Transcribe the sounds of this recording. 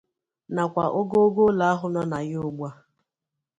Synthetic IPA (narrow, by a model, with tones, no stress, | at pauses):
na˨kʷa˨ʔo˦ɡo˦ɡo˦la˨a˦ɦʊ˦nɔ˦na˨ɣɪ˦ʊ˦ɡ͡ba˦